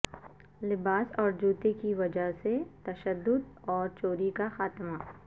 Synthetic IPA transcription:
lɪbaːsɔːɾd͡ʒuːt̪ekiʋɐd͡ʒəɦset̪ɐʃəd̪ːʊd̪ɔːɾt͡ʃoːɾikaxaːt̪ma

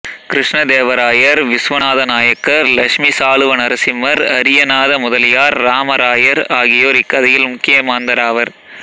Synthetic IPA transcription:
kɾɪʂɳɐd̪eːʋɐɾaːjɐɾʋɪsʋɐnaːðɐnaːjɐkːɐɾlɐʂmisaːɭɯʋɐnɐɾɐsɪmːɐɾɐɾɪjɐnaːðɐmʊðɐljaːɾːaːmɐɾaːjɐɾaːɣɪjoːɾɪkːɐðɐjɪlmʊkːɪjɐmaːnd̪ɐɾaːʋɐɾ

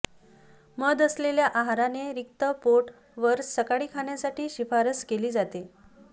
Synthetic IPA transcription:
məd̪əsleljaʔaɦaɾaneɾik̚t̪əpoʈ | ʋəɾsəkaɽiːkʰaɳjasaʈiːɕifaɾəskeliːd͡zat̪e

